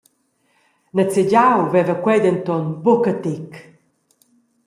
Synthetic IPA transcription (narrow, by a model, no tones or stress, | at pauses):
nət͡seɟawvɛvəkwɛd̪ənt̪ɔnbɔkət̪ik